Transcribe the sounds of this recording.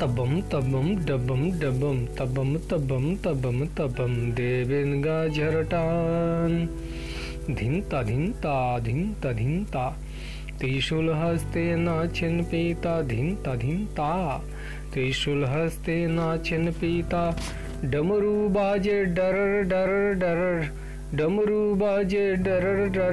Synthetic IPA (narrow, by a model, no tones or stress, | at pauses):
t̪ɐbɐmt̪ɐbɐmɖɐbɐmɖɐbɐmt̪ɐbɐmt̪ɐbɐmt̪ɐbɐmt̪ɐbɐmd̪eːbenɡaːd͡ʒʱɐɾɐʈaːn | d̪ʱint̪ɐd̪ʱint̪aːd̪ʱint̪ɐd̪ʱint̪aː | t̪iːʃulɦɐst̪eːnaːt͡ʃʰenpiːt̪ad̪ʱint̪ɐd̪ʱint̪aː | t̪iːʃulɦɐst̪eːnaːt͡ʃʰɐnpiːt̪aː | ɖɐmɾuːbaːd͡ʒeɖɐɾɐɾɖɐɾɐɾɖɐɾɐɾ | ɖɐmɐɾuːbaːd͡ʒeːɖɐɾɐɾɖɐ